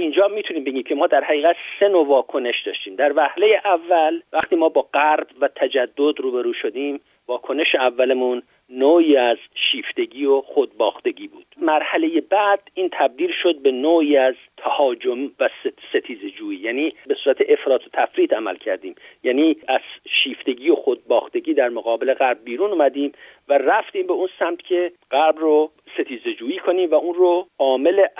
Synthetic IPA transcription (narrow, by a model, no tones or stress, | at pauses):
ind͡ʒɒːmiːt̪ʰuniːmbe̞ɟʲiːmcʰe̞mɒːd̪æɾhæɣiːɣæt̪se̞novɒːkʰo̞ne̞ʃd̪ɒːʃt̪iːmd̪æɾvæhle̞jeʔævːælvæxt̪iːmɒːbɒːɢæɾbvæt̪ʰæd͡ʒæd̪ːo̞d̪ɾuːbeɾuːʃod̪iːm | vɒːkʰoneʃeævːælemuːnː | oːiːæzʃiːft̪e̞ɟiːoχod̪̚bɒːxt̪e̞ɟiːbuːd̪̥mæɾhæleje̞bæd̪̥iːnt̪ʰæb̚d̪iːlʃo̞d̪̚be̞noːiːæz | t̪ʰæhɒːd͡ʒomvæsse̞t̪ʰiːzed͡ʒuːiːjæːniːbesuːɾæt̪ʰeʔefɾɒːt̪ʰot̪ʰæfɾiːt̪ʰæmæ̰lcʰæɾd̪iːmjæːniːæz̥ʃiːft̪e̞ɟiːo̞xod̪̚bɒːxt̪e̞ɡiːd̪æɾmoɣɒːbele̞ɣæɾb̚ːiːɾunumæd̪iːm | væræft̪iːmbeuːnsæmt̪ʰcʰe̞ | ɢ̥æɾbro | se̞t̪ʰiːze̞d͡ʒuːiːkʰo̞niːmvæuːnroɒːme̞le